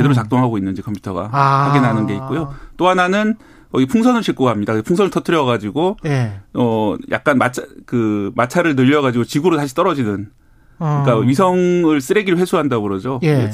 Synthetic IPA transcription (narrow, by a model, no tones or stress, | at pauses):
t͡ɕedeɾoɭt͡ɕak̚t͈oŋɦaɡoinːɯnd͡ʑikʰʌmpʰju̥tʰʌ̰ɡa̰hamk͈enanɯnɡe̞it̚k͈ojot͈oɦananɯn | kʌɡpʰuŋsʰʌnɯɭɕʰiɭk͈oɡɦamɲidakɯepʰuŋsʰʌnɯɭtʰʌtʰɯɾjʌɣad͡ʑiɡo | ʌjʔa̰k̚k͈anmat͡ɕʰkɯmat͡ɕʰaɾɯɭnɯʎːʌɣad͡ʑiɡot͡ɕiɡuɾotaɕʰi̥t͈ʌɾʌd͡ʑinɯn | ɯɯik͈aɥisʰʌŋɯɭs͈ɯɾeɡiɾɯɭɸwe̞sʰuɦandamoɾʌd͡ʑoe